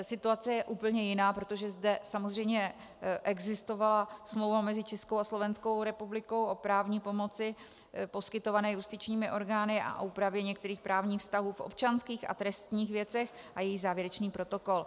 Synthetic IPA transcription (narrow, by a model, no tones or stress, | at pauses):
sɪt̪uat͡sɛjɛʔuːpl̩ɲɛjɪnaːpɾo̞t̪o̞ʒɛzdɛsamozr̝ɛjmɲɛ | ʔɛɡzɪst̪o̞valasmlowvamɛzɪt͡ʃɛskowaslo̞vɛnsko̞wɾɛpublɪko̞wʔo̞pɾaːvɲiːpo̞mo̞t͡sɪ | po̞skɪt̪o̞vanɛːjust̪ɪt͡ʃɲiːmɪʔo̞ɾɡaːnɪʔa̰ʔoʔuːpɾavjɛɲɛkt̪ɛɾiːxpɾaːvɲiːxfst̪aɦuːfʔo̞̰p̚t͡ʃanskiːxa̰t̪ɾɛst̪ɲiːxvjɛt͡sɛx | ʔajɛjɪɣzaːvjɛɾɛt͡ʃniːpɾo̞t̪o̞ko̞l